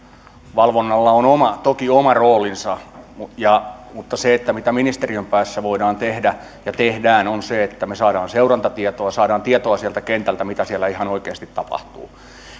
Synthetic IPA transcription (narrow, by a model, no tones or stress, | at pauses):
ʋɑlʋonːɑlːɑonomɑt̪okiomɑroːlinsɑjɑmut̪ːɑseet̪ːæmit̪æminist̪eriømpæːsːæʋoidɑːnt̪ehdæ | jɑt̪ehdæːnonseet̪ːæmesɑːɾɑːnseurɑnt̪ɑt̪iɛt̪oɑsɑːɾɑːnt̪iɛt̪oɑsiælt̪ækent̪ælt̪æmit̪æsiælːæihɑnoikeːst̪it̪tɑpɑ̰ht̪ṵː